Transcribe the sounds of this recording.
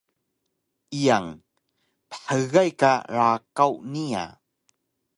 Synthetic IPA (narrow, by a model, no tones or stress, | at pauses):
ʔijaŋ | pə̥ħəɣajkaɾakawnia̰